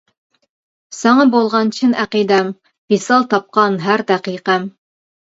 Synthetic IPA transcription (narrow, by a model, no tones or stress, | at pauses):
sɑɴɑbolˠʁɑnt͡ɕʰɪnæqid̪æm | b̥isɑlˠt̪ɑp̚qɑnɦæɾd̪æqiqæm